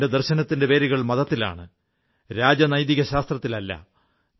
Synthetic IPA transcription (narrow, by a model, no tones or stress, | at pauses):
ded̪ɐrɕɐnɐt̪ːindeʋe̞ːɾiɣɐɭmɐðɐt̪ːila̰ːɳɨ | ɾaːd͡ʑɐnɐjðiɣɐɕaːst̪rɐt̪ːilɐlːɐ̰